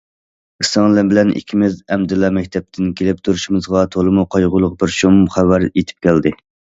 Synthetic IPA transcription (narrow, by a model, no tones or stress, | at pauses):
isɑŋlˠɨbɪlɛnʔḭkʲʰimɪzɛmd̪ɪlːɑmɛk̚ʲt̪ʰɛp̚t̪ʰɪnkʲʰelɪp̚t̪ʰuɾuʃumɨzʁɑt̪ʰolˠɨmuqʰɑjʁʊlˠʊq̚bɪɾʃomχæwæɾet̪ʰɪ̥p̚kʲæld̪ɪ